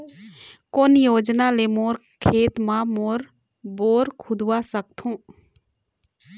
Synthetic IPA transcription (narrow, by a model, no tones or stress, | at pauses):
koːnjoːd͡ʒnalemoːɾkʰeːt̪mãmoːɾboːɾkʰʊd̪wasək̚t̪ʰõː